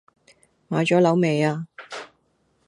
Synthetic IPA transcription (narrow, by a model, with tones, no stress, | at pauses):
maː˨˧jt͡sɔː˨˥lɐ˨˥wme˨˧jaː˧